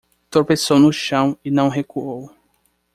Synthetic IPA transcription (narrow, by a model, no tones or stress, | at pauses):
t̪oɾpesownʊʃɐ̃w̃ɪnɐ̃w̃ɦekuow